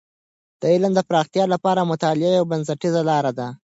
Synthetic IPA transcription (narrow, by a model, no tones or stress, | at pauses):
d̪̥əɪlamd̪əpɾɑxt̪ijɑlapɑɾamʊt̪ɑlɪajawbans̬aʈizalɑɾad̪a